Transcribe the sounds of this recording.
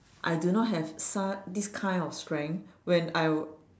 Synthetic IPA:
ʔa̰jdunɔt̚ɦɛvsadiskʰãɪ̃ndɔfstɹɛ̃ŋwɛ̃naj

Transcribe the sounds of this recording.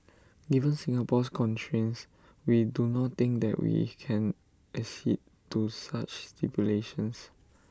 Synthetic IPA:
ɡivə̃nsĩŋapɔskʰɔ̃ntʰɹĩns | widunɔt̚t̪ɪ̃ŋk̚d̪ɛ̰ʔwḭkʰɛ̃n | ʔəsḭd̚ | tːusat͡ʃstʰipjuleʃə̃ns

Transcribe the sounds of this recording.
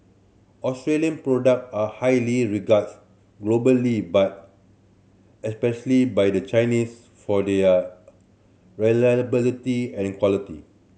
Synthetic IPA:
ɔstɹeliə̃npɹodək̚ahajliɹiɡats | ɡlobəlibat̚ | ɛspɛʃəlibajdət͡ʃajnis | fɔdɛ | ɹɛlbilitiɛ̃nĩkwɔlitḭ

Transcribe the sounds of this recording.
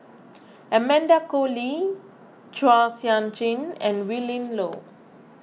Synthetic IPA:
ɛmɛ̃ndakoli | t͡ʃwasjãnt͡ʃĩnɛ̰̃nwilĩnlo̰

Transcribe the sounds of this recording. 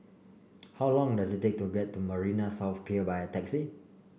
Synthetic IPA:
hawlɔ̃ŋdazit̚tːek̚tuɡɛtːuməɹinasawθpʰiəbajətɛksi

